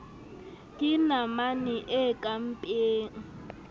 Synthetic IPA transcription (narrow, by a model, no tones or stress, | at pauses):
kʼɪnamaniʔekʼam̩pʼeːŋ̩